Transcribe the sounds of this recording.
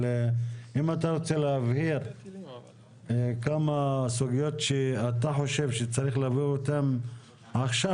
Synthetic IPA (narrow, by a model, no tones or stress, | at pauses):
eimat̪aʁot͡seleavhiɾ | kamasuɡijo̞tʃeat̪aħo̞ʃe̞vʃet͡saʁiχlaaviot̪am | aχʃa